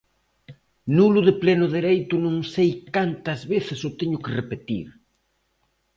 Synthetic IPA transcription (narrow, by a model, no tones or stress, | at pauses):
nulʊðɪplɛnʊðeɾejt̪ʊnõŋsejkant̪ɐzβeθɪsʊt̪eɲʊkɪrepet̪ḭɾ